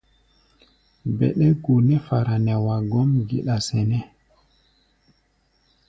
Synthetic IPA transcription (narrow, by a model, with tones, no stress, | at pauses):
bɛ̰˨ɗɛ˦ɡu˨nɛ˦fa˨ɾa˨nɛ˨wa˨ɡɔ˦mɡi˨ɗa˨sɛ˨nɛ˦